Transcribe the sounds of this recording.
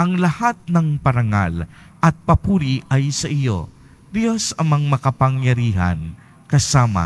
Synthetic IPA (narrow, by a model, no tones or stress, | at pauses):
ʔɐŋlɐhat̪̚nɐŋpɐɾɐŋa̰l | ʔɐt̪̚pɐpuːɾiʔajsɐʔɪjo̰ | d̪josɐmaŋmɐkɐpaŋjɐɾiːɦɐ̰n | kɐsaːma̰